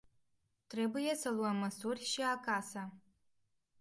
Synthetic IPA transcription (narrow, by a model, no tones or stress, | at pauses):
tʰrebɨjasɐlwamɐsurʲʃiaːkʰʼaːsa